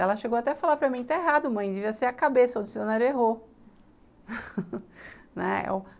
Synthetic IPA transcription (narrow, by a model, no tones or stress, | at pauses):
ɛlɐʃeɡowat̪ɛɐfalaɾpɾɐmĩt̪aeɦad̪ʊmɐ̃j̃d͡ʒɪviɐseɾɐkabesɐod͡ʒɪsonaɾʊeɦoɾ | nɛ̰ɛ̰w